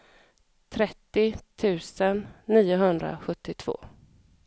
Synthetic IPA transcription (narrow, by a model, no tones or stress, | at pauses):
t̪ʰɾɛt̪ːɪt̪ʰʉ̟ːsənːiːʊɦɵnd̪ɾa̰ɧɵt̪ːɪt̪ʰv̥o̰ː